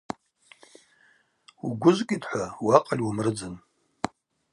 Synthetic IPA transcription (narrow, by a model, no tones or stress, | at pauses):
uɡʷʊzkʼitʰʼħʷawaqʼalʲwamrɨd͡zɨn